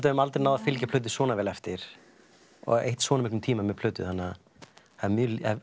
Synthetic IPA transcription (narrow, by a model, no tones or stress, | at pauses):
t̪aʏmalt̪ɾnaːwðafɪlcapʰl̥œɥt̪̬ɪ̥svɔːnavɛːlɛft̪ɪɾ̥ | ɔ̰ɣḛjht̪svɔːnʏmɪhknʏmt̪ʰiːmamɛpʰl̥œːt̪ʏ̰θanːa | aðmjla